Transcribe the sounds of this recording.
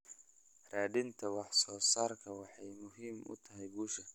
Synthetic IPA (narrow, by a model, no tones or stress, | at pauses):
raːɖɪnt̪ʰɐwɑħsɔːsaːrkʰɐwɑħɑjmʊɦiːmʊ̰t̪ʰɐɦɛjbuːʃɐ